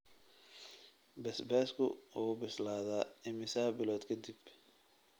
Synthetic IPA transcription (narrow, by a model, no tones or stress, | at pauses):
bɛsbɛːskʰʊʊɣʊbɪslaːðaːɪmɪsaːbɪlɔːd̪kʰɐd̪ɪb